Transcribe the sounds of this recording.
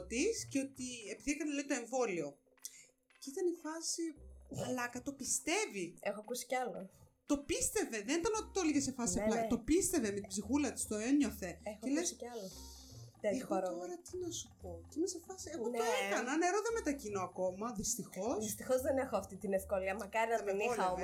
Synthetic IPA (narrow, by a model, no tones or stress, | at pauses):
t̪isceot̪iepiðiekɐneleit̪oe̞ɱvo̞lio̞ | cit̪ɐnifɐsiuɐlɐkɐt̪o̞pist̪e̞viexoɐkusi̥ceɐlot̪o̞pist̪e̞ve̞ðenit̪ɐno̞t̪i̥t̪oliʝese̞fɐsiiɐlɐt̪o̞pist̪e̞veme̞t̪ibzixulɐt̪i̥st̪o̞eɲo̞θe̞exoelesɐlo | t̪eexoɾo̞ɾɐt̪inɐsupo̞cinese̞fɐsieot̪oɐekɐnɐneɾoðeme̞t̪ɐcinoɐko̞mɐðist̪ixo̞sðist̪ixozðenexoɐft̪it̪inefkoliɐmɐkɐɾinɐɐeniolɐo